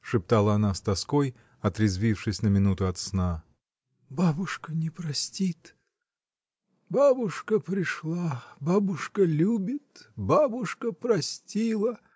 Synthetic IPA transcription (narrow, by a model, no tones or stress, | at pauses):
ʂɨp̚t̪alˠəɐnast̪ɐskoj | ɐt̪ɾʲɪzvʲifʂɨsʲnəmʲɪnut̪ʊɐt̪sna | babʊʂkənʲɪpɾɐsʲtʲit̪ | babʊʂkəpɾʲɪʂlˠababʊʂkəlʲubʲɪt̪babʊʂkəpɾɐsʲtʲilˠə